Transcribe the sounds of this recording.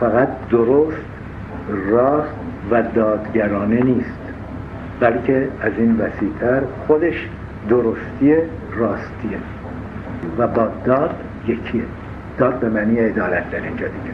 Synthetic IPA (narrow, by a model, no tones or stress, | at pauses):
fæɣæt̪̚ʰd̪oɾost̪ | rɒːst̪væd̪ɒːd̪ɟæɾɒːne̞niːst̪ | bælcʰe̞æziːnvæsiːt̪ʰæɾxod̪e̞ʃ | d̪oɾost̪ierɒːst̪ʰie | væbɒːd̪ɒːd̪̥ | jecʰie | d̪̥ɒːd̪̚be̞mæniːjeːd̪ɒːlæt̪̚ʰd̪æɾind͡ʒɒːd̪iɟʲe